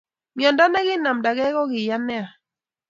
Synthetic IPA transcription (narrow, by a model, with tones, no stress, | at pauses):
mjɔ˨nda˦nɛ˦ɣɪ˦na˨mda˨ɡɛ˦ɣɔ˦ɡɪ˨ja˦nɛ˦a˨